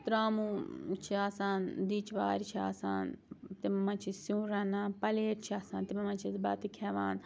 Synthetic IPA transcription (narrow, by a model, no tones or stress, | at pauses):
t̪ɾaːmũt͡ʃʰiaːsaːnd̪iːt͡ʃʋaːɾt͡ʃʰiaːsa̰ːnt̪imɐmãnt͡ʃʰisjũːɾanãːpɐleːɾt͡ʃʰiaːsaːnt̪imɐmãnt͡ʃʰisbɐt̪ikʲʰɛːʋaːn